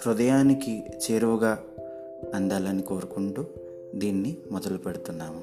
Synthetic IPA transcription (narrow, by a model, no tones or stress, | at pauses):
ɾud̪ɐjaːnikit͡ʃeːɾuʋɐɡaː | ɐnd̪aːlɐniko̞ːɾukuɳʈuː | d̪iːnːimɔd̪ɐlupeɽut̪unːaːmu